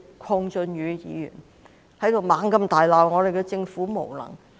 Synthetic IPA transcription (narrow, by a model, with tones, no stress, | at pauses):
kʷʰɔː˧ŋt͡sɵ˧njyː˨˧jḭː˨˧jy̰ː˨˩n | hɐ˨˥jt̪o˨wmaː˨˥ŋkɐ˧mt̪aː˨jlaː˨˩wŋɔː˨˧d̪e˨jkɛ˧t͡sɪ˧ŋfuː˨˥mo˨˩wlɐ̰˨˩ŋ